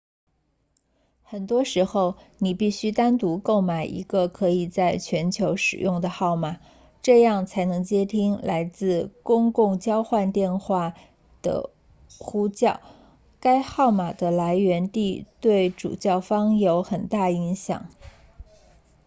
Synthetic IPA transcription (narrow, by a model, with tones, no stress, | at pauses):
xə˨˩nt̪wɔ˥ʂɻ̩˧˥xo˥˧ʊ | ni˨˩pi˥˩ɕy˥t̪a˥nt̪u˧˥ko˥˩ʊma˨˩ɪʔḭ˧˥ɡə˧kʰɤ˧˥i˨˩t͡sa˥˩ɪt͡ɕʰɥɛ˧˥nt͡ɕʰjo˧˥ʊʂɻ̩˨˩jʊ˥˩ŋd̪ə˩xɑ˥˩ʊma˨˩˦ | ʈ͡ʂɤ˥˧jɑ˥˩ŋt͡sʰa˧˥ɪnɤ˧˥ŋt͡ɕjɛ˥t̪ʰi˥ŋla˧˥ɪt͡sɹ̩˥˩kʊ˥ŋkʊ˥˩ŋt͡ɕjɑ˥ʊxwa˥˧nt̪jɛ˥˧nxwa˥˩ | d̪̥ə̰˩ | xu˥t͡ɕjɑ˥˩ʊ | ka˥ɪxɑ˥˩ʊma˨˩d̪ə˦la˧˥ɪɥɛ˧˥nt̪i˥˧t̪we˥˩ɪʈ͡ʂṵ˨˩t͡ɕjɑ˥˩ʊfɑ˥ŋjo˧˥ʊxə˨˩nt̪a˥˩i˧˥ŋɕjɑ̰˨˩˦ŋ